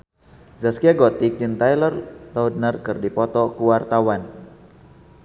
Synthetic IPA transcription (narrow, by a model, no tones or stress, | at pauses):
zaskiaɡɔt̪ik̚dint̪ajlɔrlɔwd̪nərkɨrdipɔt̪ɔkuwart̪awan